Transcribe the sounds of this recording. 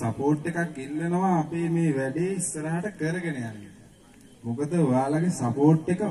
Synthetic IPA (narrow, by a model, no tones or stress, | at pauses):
sapoːʈːekakːilːenəʋaːpeːmeːʋæɖiisːəɾaɦaʈəkəɾəɡenejanːi | mukəd̪əojaːlaɡesapoːʈːekə